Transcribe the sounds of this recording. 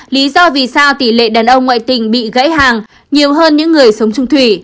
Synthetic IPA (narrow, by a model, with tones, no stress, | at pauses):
li˨˦zɔ˧vi˨˩saː˧wt̪i˧˩lḛ˧˨ɗaː˨˩nʔə˧wŋ͡mŋwa̰ː˧˨jt̪ï˨˩ŋ̟ɓḭ˧˨ɣə̰˧˥jɦaː˨˩ŋ | ɲi˨˩əwɦəː˧nɲɨ̰˧˥ŋːɨ˨˩əjsə˨˦wŋ͡mt͡ɕʊ˧ŋ͡mt̪ʰwi˧˩